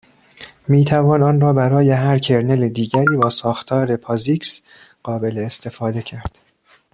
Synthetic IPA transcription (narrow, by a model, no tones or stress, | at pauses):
miːt̪ʰævɒːnɒːnrɒːbæɾɒːje̞ɦæɾcʰe̞ɾneled̪iːɟæɾiːbɒːsɒːxt̪ʰɒːɾe̞pʰɒziːks | ɢ̥ɒːbe̞leːst̪ʰe̞fɒːd̪e̞cʰæɾd̪̥